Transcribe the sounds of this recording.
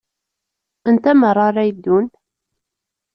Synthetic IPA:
ənt̪æmərˤːɑɾˤæjd̪ːun

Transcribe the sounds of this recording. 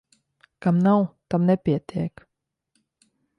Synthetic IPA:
kamnawt̪amnɛpʲiɛt̪ʰʲiɛk

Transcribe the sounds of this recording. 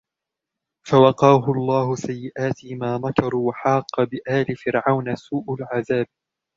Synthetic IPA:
fawɑqɑːɦʊɑlˤːɑːhʊsajːɪʔaːt̪ɪmaːnakɑɾˤwaħɑːqːɑbɪʔaːlɪfɪɾʕawnasuːʔʊlʕaðaːb̚

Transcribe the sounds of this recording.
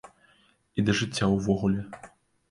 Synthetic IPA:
id̪ɐʐɨt͡sʲːawvɔɣulʲɛ

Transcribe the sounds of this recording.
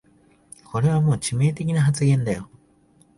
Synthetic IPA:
kʰo̞ɾe̞βamo̞ːt͡ɕime̞ːt̪e̞kʲinaɦat͡sɨɡẽ̞nd̪ajo

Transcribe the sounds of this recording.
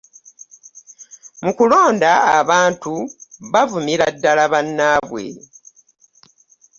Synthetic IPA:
mukulo̞ːndaːβaːntuβavumiɾadːalaβanːaːβwe̞̰

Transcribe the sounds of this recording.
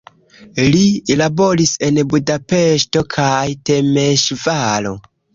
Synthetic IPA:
lilabo̞ɾise̞nbudape̞ʃto̞kʰajte̞meʃvalo̞̰

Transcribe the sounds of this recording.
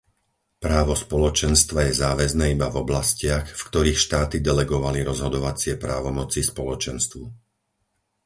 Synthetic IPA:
pɾaːʋɔspɔlɔt͡ʃɛnst̪ʋajɛzaːʋɛznɛːibavɔblascɪaxfkt̪ɔɾiːxʃt̪aːt̪id̪ɛlɛɡɔʋaliɾɔzɦɔd̪ɔʋat͡sɪɛpɾaːʋɔmɔt͡sispɔlɔt͡ʃɛnst̪ʋu

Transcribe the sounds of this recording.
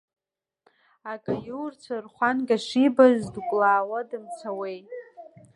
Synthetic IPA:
akʼajurt͡sʷʰarχʷanɡʲʼaʂibazdkʷʼlaːwadɨmt͡sʰawejtʼ

